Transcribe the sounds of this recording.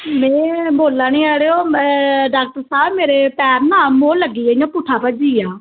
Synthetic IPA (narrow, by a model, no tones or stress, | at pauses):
mɛ̃ːboːlãːnĩːɛːɽeːoːɖaːk̚ʈəɾsaːbmeːɾeːpɛːɾnãːmoːləɡiːaːd͡ʒãːpʊʈʰːaːpəd͡ʒiːjaː